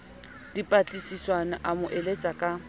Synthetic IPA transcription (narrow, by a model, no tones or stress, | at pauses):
d̥ipʼat͡ɬʼisiswanaʔamʊʔelet͡sʼakʼa